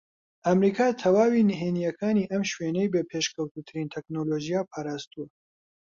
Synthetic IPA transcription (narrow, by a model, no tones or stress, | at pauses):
ʔɐmɾiːkʰaːt̪ʰɐwaːwiːnɨɦenijɐkʰaːniːʔɐmʃweːnejbepʰeːʃkʰɐwt̪ut̪ʰɨɾint̪ʰɛknoloːʒijaːpʰaːɾaːst̪uɐ